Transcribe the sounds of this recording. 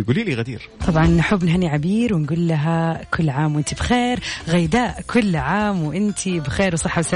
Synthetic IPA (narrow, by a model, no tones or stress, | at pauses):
jɡuːliːliːɣad̪ḭːɾt̪ˤɑbʕɑnħʊbːnɦaːniʕabiːɾwɪnɡuːlːaɦakʰʊlːʕaːmwʔɪnt̪ibɪxeːɾɣajd̪aːʔkʰʊlːʕaːmwʔɪnt̪ʰibɪxeːɾwsˤɨħːawsa